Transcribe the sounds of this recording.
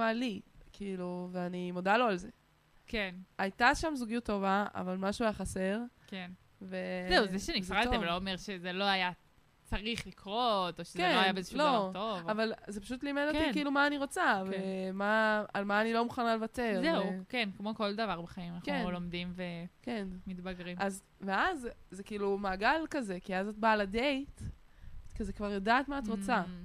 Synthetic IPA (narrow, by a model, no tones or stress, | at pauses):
alikʰiːluveanimodalo̞alze̞ | kenajtaʃamzuɡijutːovaa̰valmaʃuajaχase̞ʁken | ve̞zeuzeʃenifʁaiveloomeʁʃezeloaja | t͡saʁiχlikʁotoʃezkeoajabeezeʃlotovavalzepaʃut̪liːmedokikiilumaːniʁo̞t͡savemaalmaːnilo̞muχanalevate̞ʁzeukenkmo̞ko̞ld̪ɐvaʁbeχaimanaχkeunlomd̪imvekenmitbaɡʁimaz | veazzekiilumaːɡalkaze̞kiazat̚baladejt | kezekvaʁjodaːtmaːt̪ʁot͡sa